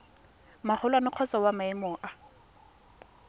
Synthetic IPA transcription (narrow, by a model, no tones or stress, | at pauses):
maχʊlwanɪq͡χʰɔt͡sawamaɪmʊːʔa